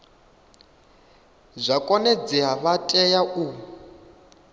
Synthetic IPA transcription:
zʷakʼɔnɛd͡ziɦaβatʼɛjaʔu

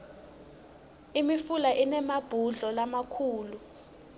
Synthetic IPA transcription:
imifulaʔinɛmab̥ʱuɮɔlamakʰuːlu

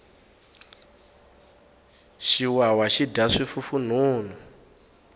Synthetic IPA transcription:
ʃiwawaʃidʱaʂifufun̤uːn̤u

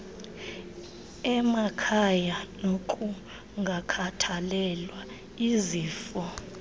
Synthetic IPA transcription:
ɛmakʰajanokʼu | ŋɡʱakʰatʰalɛlwa | iziːfɔ

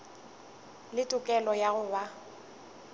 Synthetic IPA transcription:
lɪtʼʊkʼɛlɔjaɣʊba

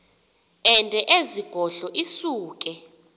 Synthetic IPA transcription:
ɛntʼɛʔeziɡ̥ʱɔɬɔʔisuːk̬ʼɛ

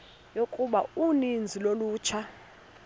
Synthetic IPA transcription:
jokʼuɓaunind͡zʱiloluːt͡ʃʰa

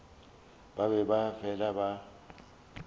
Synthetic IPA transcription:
babɛbafʰɛlaba

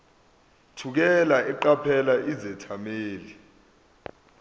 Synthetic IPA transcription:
tʰuk̬ɛlaɛǃapʰɛlaʔizɛtʰameːli

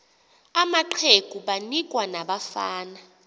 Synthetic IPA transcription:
amaǃʰeɡ̥ʱuɓanik̬ʼwanaɓafaːna

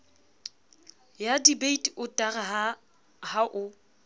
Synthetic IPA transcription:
jadibeitʼiʊtʼaraɦa | haʔʊ

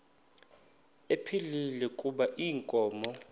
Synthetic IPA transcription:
epʰililɛkʼuɓaʔiːŋkʼɔːmɔ

